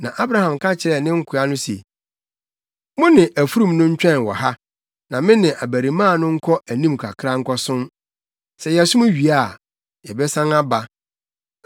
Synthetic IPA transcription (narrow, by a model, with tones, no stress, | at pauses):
nã̰˨ʔa˦bɾa˦hã˨mkʰa˦t͡ɕʰɪ˨ɾɛ˦˨nɪ̃˦ŋ̩˦kʰʊ˨a˦nʊ̃˦sḛ˨ | mʊ̃˦nɪ̃˨ʔæ˨fu˦ɾũ˦˨mnʊ̃˦ɲ̩˦t͡ɕᶣɛ̃˦˨n˨wɔ̰˨ha˦ | nã˨mɪ̃˦nɪ̃˨ʔa˨bæ˨ɾi˨mãː˦˨nʊ̃˦ŋ̩˦kʰɔ˦ʔæ˨nĩ˦mkʰa˨kʰɾa˦ŋ̩˦kʰɔ˦sʊ̃˦m | sɛ˨jɛ˨sʊ˦mʊ̃˦ɥi˨a˦˨ | jɛ˨bɛ˦sã˦na˦ba˨